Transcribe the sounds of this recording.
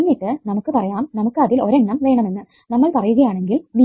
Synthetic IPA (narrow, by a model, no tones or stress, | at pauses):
nːiːʈːɨnɐmukːɨpɐrɐjaːmnɐmukːɨɐðilo̞ɾeɳɖɐmʋe̞ːɳɐme̞nːɨ | nɐmːɐɭpɐrɐjuɣɐjaːɳe̞ŋɡilʋi